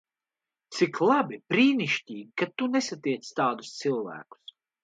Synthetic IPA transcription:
t̪siklˠabibɾiːniʃtʲiːɡʲikat̪ːunesat̪iɛt̪st̪aːd̪ust̪silˠvæ̰ːku̥s

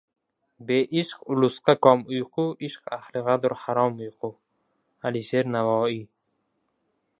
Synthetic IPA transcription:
beʔiʃqʊlʊsqɑkɒmʊjqʰʊʔiʃqahlɨʁad̪ʊɾħaɾɑmʊjqʰu | aliʃeɾnavɑːi

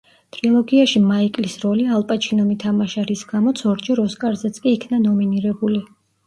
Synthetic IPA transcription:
t̪ʼɾilˠɔɡiaʃimaikʼlisɾɔlialˠpʼat͡ʃʰinɔmit̪ʰamaʃaɾisɡamɔt̪sʰɔɾd͡ʒɛɾɔskʼaɾzɛt̪sʰʼkʼiːkʰnanɔminiɾɛbuli

